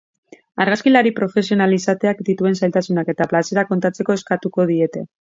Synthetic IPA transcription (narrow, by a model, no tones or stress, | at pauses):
aɾɣaskilaɾipɾo̞fe̞s̬io̞nalisat̪e̞akd̪it̪ue̞nsajlt̪asunake̞t̪aplase̞ɾako̞nt̪at͡se̞ko̞e̞skat̪uko̞ð̞ie̞t̪e̞